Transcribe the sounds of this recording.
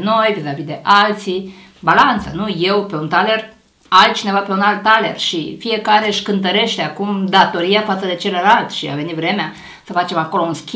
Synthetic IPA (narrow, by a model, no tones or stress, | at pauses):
no̞jvizavid̪e̞ʔalt̪si | balant̪sənuje̞wpe̞unt̪ale̞r | alt̪̚t͡ʃine̞vape̞unalt̪ːale̞̰rʃifije̞kaɾe̞ɨʃkɨnt̪̬əɾe̞ʃt̪eakumd̪at̪o̞ɾiafat̪səd̪e̞t͡ʃe̞ləlalt̪ʃia̰ve̞nit̪vɾe̞mea | səfat͡ʃe̞mako̞lo̞unskʲi